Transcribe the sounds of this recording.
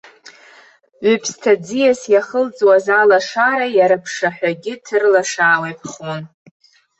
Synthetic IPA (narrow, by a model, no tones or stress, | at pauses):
ʕʷʏpʰstʰad͡zijasjaχəlt͡sʼwazalaʂaɾajaɾɨpʰʂaħʷᶣaɡʲɪtʰɨrlaʂaːwejpʰχon